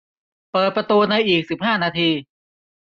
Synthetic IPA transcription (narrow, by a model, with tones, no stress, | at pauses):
pɤː˨˩t̪̚pɾa˧t̪uː˧na˧jʔiː˨˩k̚si˨˩p̚haː˥˩naː˧t̪ʰiː˧